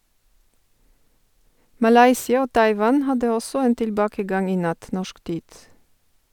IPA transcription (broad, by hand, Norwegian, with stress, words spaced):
mɑˈlɑɪsɪɑ ˈoː ˈtɑɪʋɑn ˈhɑdə ˈɔsɔ ˈeːn tɪlˈbɑːkəˌɡɑŋ ˈiː ˈnɑt ˈnɔʃk ˈtiːd